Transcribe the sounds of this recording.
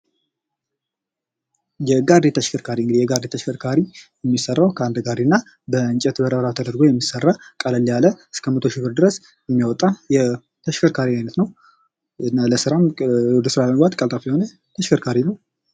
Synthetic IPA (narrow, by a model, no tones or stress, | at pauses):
jɛɡaɾd̪et̪ʰəʃkʰəɾkʰaɾiɨŋɡɨd̪ihjɛɡaɾd̪et̪ʰəʃkəɾkʰaɾijɛmːisərːawkʰəand̪ɨɡaɾdinːa | bəɨnt͡ʃʼɛt̪bəɾəβɾat̪ʰəd̪əɾɡo̞jɛmːisːərːakʼaləlːijaləɨskʰəmət̪ʰo̞ʃɪbɨɾd̪ɨɾəs | ɛmːjawɔt̪ʼajɛ | t̪ʰəʃkʰəɾkʰaɾimajnət̪nəw | naləsɨɾawɔd̪əsɨɾaləməɡat̪kʼəlt̪ʼafiho̞nə | t̪ʰəʃkəɾkʰaɾinəw